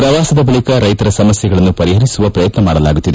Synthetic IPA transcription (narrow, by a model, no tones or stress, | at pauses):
pɾɐʋaːsɐd̪ɐbɐɭikɐɾɐjt̪ɐɾɐsɐmɐsjɐɡɐɭɐnːupɐɾiɦɐɾisuʋɐpɾɐjɐt̪nɐmaːɽɐlaːɡut̪ːid̪e